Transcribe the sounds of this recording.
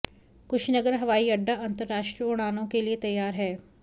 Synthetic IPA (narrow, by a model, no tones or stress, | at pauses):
kʊʃʰnɐɡəɾɦɐʋaːiɐɖːaʔɐ̃nt̪əɾːaːʃʈɾiəʊɽ̃aːnõkeliet̪ɐjːaːɾɦɛː